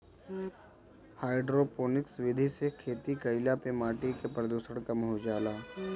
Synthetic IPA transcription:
haːɪɖɾoːpoːnɪksʋɪd̪ʱisekʰeːt̪ikɐɪlapemaːʈikepɾəd̪uːsəɽ̃kɐmɦod͡ʒaːlaː

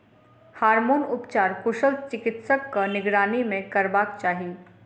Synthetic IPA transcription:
haːɾmoːnʊpt͡ʃaːɾkʊʃəlt͡ʃɪkɪt̪səkːanɪɡɾaːnimẽkɐɾbaːkt͡ʃaːɦi

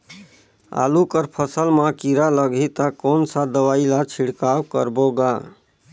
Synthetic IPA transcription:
a̰lukəɾpʰəsəlmakiɾaləɡʱit̪akonsad̪əwailat͡ʃʰiɽkawkə̰ɾboɡa

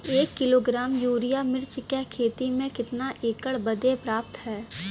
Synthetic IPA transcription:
eːkːɪloːɡɾaːmjuːɾɪjamɪɾt͡ʃkɛkʰeːt̪imẽkɪt̪naʔeːkəɽbɐd̪epɾaːp̚t̪ɦɛː

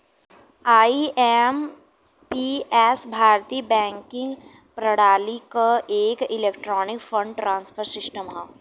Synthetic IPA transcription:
aːiem | piɛːsbʱaːɾt̪iːəbɛ̃ːŋkɪ̃ŋɡ | pɾɐɽaːlikaʔeːkɪleːkʈɾɔːnɪkfə̃ɳɖʈɾãːnsfʰəɾsɪsʈəmɦãː

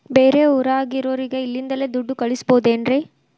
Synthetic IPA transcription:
beːɾeːʊɾaːɣɪɾoːɾɪɡɐɪlːɪnd̪ɐleːd̪ʊɖːɯkɐɭɪsɯ̥poːðːnri

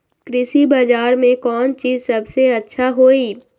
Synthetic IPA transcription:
kɾɪsibaːd͡ʒaːɾmẽkɔːnt͡ʃiːzsɐbseɐtːʃʰaɦoːiː

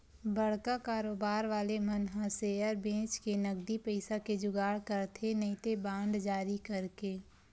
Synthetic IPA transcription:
bɐɽ̤kakaːɾoːbaːɾʋaːlemɐnɦãseəɾbẽːt͡ʃkenɐɡd̪ipəɪsaked͡ʒʊɡaːɽkɐɾt̪ʰenɐɪt̪ebãːɳɖd͡ʒaːɾikɐɾkeː

